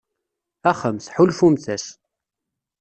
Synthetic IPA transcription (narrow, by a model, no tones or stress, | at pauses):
æχəmθħulfumθæs